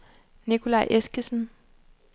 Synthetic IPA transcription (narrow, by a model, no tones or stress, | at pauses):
nikʰo̝lɑ̈ɪʔesɡ̥əsn̩